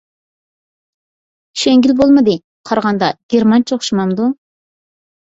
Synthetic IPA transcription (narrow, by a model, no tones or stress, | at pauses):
ʃeŋɡʲilbolˠmɨd̪ɨ | qʰɑɾʁɑnd̪ɑɡ̥ʲeɾmɑnt͡ʃʰoχʃumɑmd̪u